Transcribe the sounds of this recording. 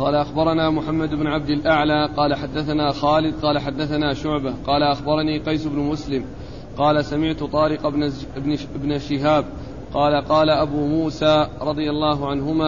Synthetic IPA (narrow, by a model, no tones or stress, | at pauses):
qɑːlaʔaxbɑɾˤɑnaːmʊħamːad̪ɪbnʕab̚d̪alʔaʕlaːqɑːlaħad̪ːaθanaːxaːlɪd̪̚qɑːlaħad̪ːaθanaːʃʊʕbaqɑːlaʔaxbɑɾˤɑniːqɑjsʊbnʊmʊslɪm | qɑːlasamɪʕt̪ʊt̪ˤɑːɾɪq | ɪbɪbnaʃɪɦaːb̚ | qɑːlaqɑːlaʔabuːmuːsaːɾˤɑd̪ˤɨjalˤːɑːɦʊʕanɦʊmaː